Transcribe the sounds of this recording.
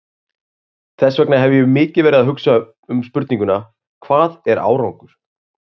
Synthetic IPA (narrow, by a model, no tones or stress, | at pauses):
θɛsːvɛknaɦɛvʏjɛʏmɪːcɪvɛɾɪðaɦʏksa | ʏmspʏɾt̪nĩŋkʏna | kʰvaːðɛɾa̰ːwɾawŋkʏɾ̥